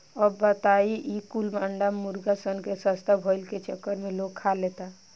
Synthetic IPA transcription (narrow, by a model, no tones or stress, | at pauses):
əbːət̪aiʔikulmaɳɖamuɾɡasənkesəst̪ʰabʱəjlket͡ʃəkːəɾmeloɡkʰːalet̪a